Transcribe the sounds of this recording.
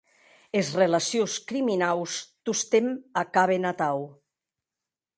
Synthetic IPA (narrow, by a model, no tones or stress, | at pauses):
ezrelasioskɾiminawst̪ust̪emakaβenat̪aw